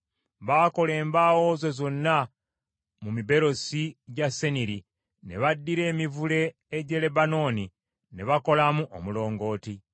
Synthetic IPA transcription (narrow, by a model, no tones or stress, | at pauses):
βaːko̞le̞ːmbawo̞ːzozo̞nːa | mumibe̞ɾo̞siɟase̞niɾi | ne̞̰βadːiɾe̞ːmivule̞ː | ɟe̞le̞bano̞ːni | ne̞βako̞lamuʔo̰mulo̞ːŋɡo̞ːti